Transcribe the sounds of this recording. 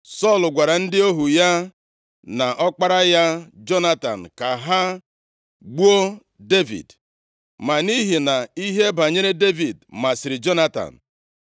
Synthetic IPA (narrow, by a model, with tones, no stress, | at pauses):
sɔ˦˨lʊ˨ɡʷa˨ɾa˨n̩˦dɪ˦o˦ɦu˨ja˦ | na˨ʔɔ˦k͡pa˦ɾa˦ja˦d͡ʒɔ˦na˦ta̰˨n̩˨ka˨ɦa˦ | ɡ͡bu˦o˦ | de˦vḭ˨d | ma˨ni˦ɦi˨na˨i˦ɦe˦ba˨ɲe˦ɾe˦de˦vi˨dma˨sɪ˨ɾɪ˨d͡ʒɔ˦na˦ta̰˨n̩˨